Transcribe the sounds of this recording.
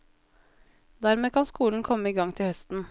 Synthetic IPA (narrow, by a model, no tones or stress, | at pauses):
d̪æɾmeːkʰɑnskuːln̩kʰɔməiːɡɑŋt̪ʰɪhœst̪n̩